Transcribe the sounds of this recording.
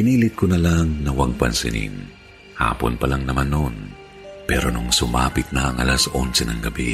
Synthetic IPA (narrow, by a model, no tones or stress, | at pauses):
pɪniːlɪt̪̚konɐlaŋnɐwɐɡ̚pɐnsɪ̰nḭn | ha̰ːpo̰npɐlaŋnɐmanːon | pɛːɾo̞nʊŋsʊmaːpɪt̪̚nɐɐŋʔɐ̰lɐsonsɛnɐŋɡɐbi